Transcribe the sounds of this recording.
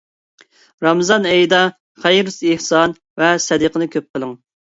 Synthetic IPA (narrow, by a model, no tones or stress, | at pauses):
ɾɑmzɑnɛjd̪ɑ | χɛjɾusehsɑn | vɛsɛd̪əqʰənɨkʲʰøp̚qʰəlˠɨŋ